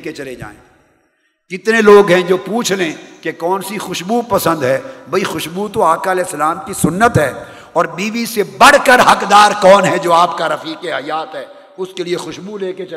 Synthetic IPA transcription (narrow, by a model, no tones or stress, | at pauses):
ket͡ʃɐled͡ʒa̰ːḛ̃ | kɪt̪neloːɡɦɛ̃d͡ʒoːpuːt͡ʃʰlẽkekɔːnsixʊʃbupɐsə̃nd̪ɦɛːbɐixʊʃbut̪oaːkalɛːsɐlaːmkisʊnːət̪ɦɛː | ɔːɾbiːʋisebɐɽ̤kəɾɦɐkd̪aːɾkɔːnɦɛd͡ʒoːaːpkaɾɐfiːkeɦɐjaːt̪ɦɛː | ʊskeliexʊʃbuleːket͡ʃ